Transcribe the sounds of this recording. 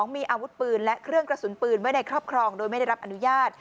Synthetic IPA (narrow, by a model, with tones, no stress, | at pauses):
ŋmiː˧ʔaː˧wu˦˥t̪̚pɯː˧nlɛ˦˥ʔkʰɾɯ˥˩əŋkɾa˧su˨˩˦npɯː˧nmɯ˥˩˨na˧jkʰɾɔː˥˩p̚kʰɾɔː˧ŋdoː˧jma˥˩a˥˩ɾa˦˥p̚ʔa˧nu˦˥jaː˥˩t̪̚